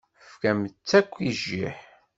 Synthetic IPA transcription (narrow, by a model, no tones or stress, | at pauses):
fkæmət͡sːækʷːiʒːḭħ